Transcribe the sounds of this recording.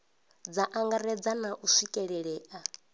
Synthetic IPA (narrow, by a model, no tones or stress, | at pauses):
d͡zaʔaŋɡaɾɛd͡zanaʔusikʼɛɺɛɺɛːʔa